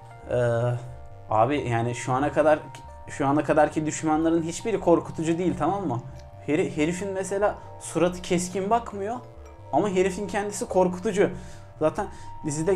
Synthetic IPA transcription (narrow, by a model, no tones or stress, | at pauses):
ɛː | a̰ːbijaːniʃuanakʰad̪aɾ | ʃuanakʰad̪aɾcʰid̪yʃmanlˠaɾɯnɦit͡ʃbiɾikʰo̞ɾkʰu̥t̪ʰud͡ʒud̪ijːilʲt̪ʰamamːa | heɾihe̞ɾifinmese̞lʲaː | suɾat̪ʰɯ̥cʰɛscʰinbakmɯjo̞ | amaɦe̞ɾifincʰɛnd̪isikʰo̞ɾku̥t̪ʰud͡ʒu | zaːt̪ʰænd̪izid̪ɛ